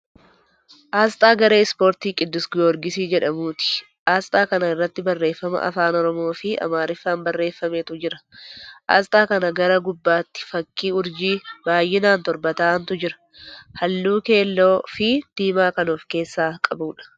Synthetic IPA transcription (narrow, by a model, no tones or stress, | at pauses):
ʔaːst̪ʼaːɡɐɾe̞ːɪspo̞ːɾt̪iːkʼɪd̪ːʊsɡɔɾɡɪsiːd͡ʒɛᶑɐmuːt̪ɪ̥ | ʔaːst̪ʼaːkɐnɐɪrːɐt̪ːɪbɐrːe̞ːfːɐmɐ̰ʔɐ̰faːnɔɾɔmoːfɪɐ̰maːɾɪfːaːnbɐrːe̞ːfːɐmeːt̪ʊd͡ʒɪɾɐ̥ʔa̰ːst̪ʼaːkɐnɐɡɐɾɐɡʊbːaːt̪ːɪ̥fɐkːiːʊɾd͡ʒiːbaːjːɪnaːnt̪ɔɾbɐt̪aːnt̪ʊd͡ʒɪɾɐ̥ | hɐlːuːke̞ːlːoːfɪd̪̥iːmaːkɐnoːfke̞ːsːaːkʼɐbuːᶑɐ̥